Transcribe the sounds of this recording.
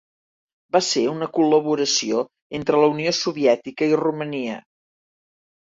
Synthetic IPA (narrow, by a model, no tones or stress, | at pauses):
baseunəkuləβ̞uɾəsio | ent̪ɾələuniosuβiɛt̪ikəiruməniə